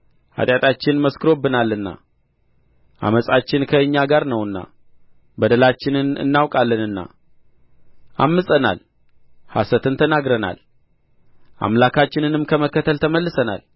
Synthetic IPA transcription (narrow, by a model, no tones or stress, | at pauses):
ha̰t̪ʼjat̪ʼat͡ʃːɪnməskʰɨɾo̞bːɨnalːɨnːa̰ | ʔa̰məsʼat͡ʃːɪnkʰəɨɲːaɡaɾnəwɨnːa̰ | bəd̪əlat͡ʃːɪnɨnɨ̰nːawkʼalːənɨnːa̰ | ʔamːɨsʼəna̰l | ha̰sət̪ɨnt̪ʰənaɡɾəna̰l | ʔa̰mlakat͡ʃːɪnɨnɨmkʰəməkːət̪ʰəlt̪ʰəməlːɨsəna̰l